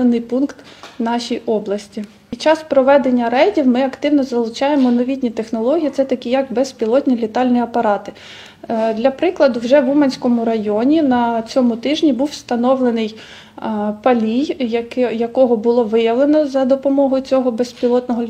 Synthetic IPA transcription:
enːɪjpunkt̪ | nɑʃʲijʔɔblˠɐsʲtʲi | t͡ʃɑspɾɔʋɛd̪enʲːɐɾɛjdʲiwmɪɐkt̪ɪwnɔzɐlˠʊt͡ʃɑjemɔnɔʋʲit̪ʲnʲit̪e̞xnɔlˠɔɦʲijit̪sɛt̪ɐkʲijɐɡbɛspʲilˠɔt̪ʲnʲilʲit̪ɑlʲnijɐpɐɾɑt̪ɪ̥ | d̪lʲɐpɾɪklˠɐd̪ʊwʒɛʋumɐnʲsʲkɔmʊɾɐjɔnʲinɐt͡sʲɔmʊt̪ɪʒnʲibuwst̪ɐnɔʋlˠenɪj | pɐlʲijjɐkɔɦɔbʊlˠɔʋɪjɐʋlˠenɔzɐd̪ɔpɔmɔɦɔjʊt͡sʲɔɦɔbespʲilˠɔt̪nɔɦɔ

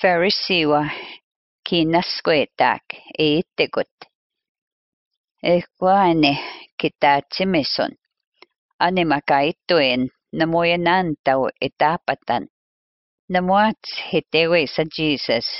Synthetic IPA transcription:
feɹɪsiːwɐ | kʰiːnɐskweːt̪a̰ːkeɪt̪ɪkʊt̪ | eːkʷanɪkɪt̪aːt͡ʃɪmɪsʊ̰n | ɐnɪmɐkait̪uenː | ɐmujɐnaːnt̪ɐwɪ̰t̪aːpɐt̪ɐ̰nː | ɐmuat͡shɪt̪eːweːsɐd͡ʒiːsɐs

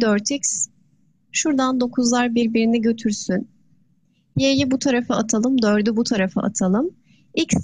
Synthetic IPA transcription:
d̪øɾt̪ʰics | ʃuɾd̪and̪o̞kʰuzlˠaɾbiɾbiɾiniɟø̞t̪ʰyɾsyn | jejibut̪ʰaɾafɯat̪ʰalˠɯmd̪ø̞ɾd̪ybut̪ʰaɾafɯ̰ʔa̰t̪ʰalˠɯm | ics

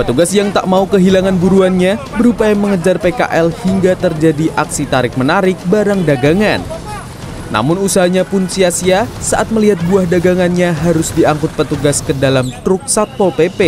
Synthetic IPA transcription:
pət̪uɡasjaŋt̪a̰ʔmaukəɦilaŋanbuɾuanɲabəɾupajaməŋəd͡ʒarpeka̰ʔɛlhiŋɡat̪ərd͡ʒadiʔaksit̪aɾɪk̚mənaɾɪk̚baɾaŋdaɡaŋanː | a̰mʊnusaɦaɲapʊnsiasiasaʔat̪̚məliɦat̪̚buahdaɡaŋanɲaɦaɾʊsdiaŋkʊt̪̚pət̪uɡaskədalamt̪ɾʊk̚sat̪̚pɔlpepe

